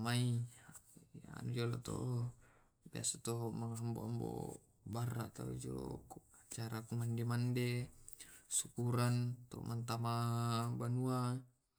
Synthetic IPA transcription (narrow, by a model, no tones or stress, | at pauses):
mai | ja̰nud͡ʒolot̪ɔ̰ʔ | bia̰sat̪ɔmaŋɦamboambo̰ | baɾa̰ʔt̪a̰ṵd͡ʒo̰lo̰at͡ʃaɾakumandemande | sukuɾant̪ɔmant̪̬amabanua